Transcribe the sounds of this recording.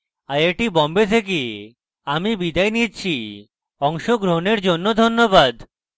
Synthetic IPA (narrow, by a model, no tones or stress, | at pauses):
aɾeʈibɔmbet̪ʰek̬i | amibid̪ajnitt͡ɕʰi | ɔŋʃoɡɾoɦoneɾd͡ʑonːod̪ʱonːobad̪